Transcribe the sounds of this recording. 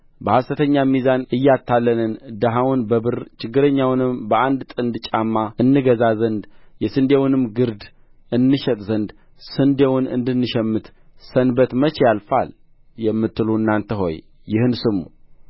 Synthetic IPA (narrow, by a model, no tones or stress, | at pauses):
bəhast̪ət̪ʰəɲːamizanɨjːat̪ʰːalːənɨnd̪əɦawʊnbəbɨɾt͡ʃɪɡːɨɾəɲːawnɨmbəʔand̪t̪ʼɨnd̪t͡ʃʼamːaɨnːɨɡəzazənd̪jɛsɨnd̪ewnɨmɡɨɾd̪ | ʔɨnːɨʃɛt̪ʼzənd̪ | sɨnd̪ewʊnɨ̰nd̪ɨnːɨʃɛmːɨt̪ | sənbət̪mət͡ʃɛjalfa̰l | jɛmːɨt̪ːɨluɨnːant̪ʰəɦo̞̰j | jɪhɨnsɨmːṵ